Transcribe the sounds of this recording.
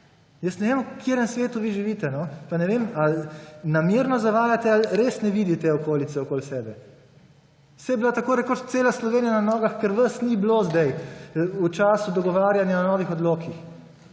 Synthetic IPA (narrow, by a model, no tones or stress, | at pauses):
jəsnɛʋemukʰeɾəmsʋeːt̪uʋiʒiʋiːt̪ɛnɔpanɛʋeːmalnamjeːɾnɔzaʋaːjat̪ɛalɾesnɛʋiːd̪it̪ɛɔkoːlit̪sɛɔkoːlsɛːbɛ | sɛjɛbilat̪akoːɾɛɾkot͡ʃt̪seːlaslɔʋeːnijananɔːɡaxkɛɾʋəsniblozd̪ɛjut͡ʃaːsud̪ɔɡɔʋaːɾjanjaɔnɔːʋixɔd̪loːkix